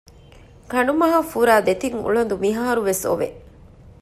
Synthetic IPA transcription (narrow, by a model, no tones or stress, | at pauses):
kɐɳɖumɐɦɐfuɾaːd̪et̪iŋṵɭɐnd̪umiɦaːɾuʋeso̰ʋḛ